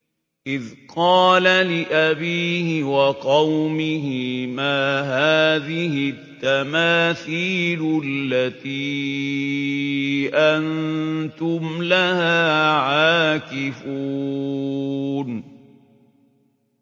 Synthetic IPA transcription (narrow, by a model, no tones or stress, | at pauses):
ʔɪðqɑːlalɪʔabiːhɪwɑqɑwmɪɦɪmaːɦaːðɪhɪt̪ːamaːθiːlʊlːat̪iː | ʔant̪ʊmlahaːʕaːkɪfuː | n